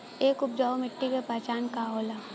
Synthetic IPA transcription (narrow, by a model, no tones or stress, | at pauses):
eːkʊp̚d͡ʒaːomɪʈːikepaːt͡ʃaːnkaɦoːlaː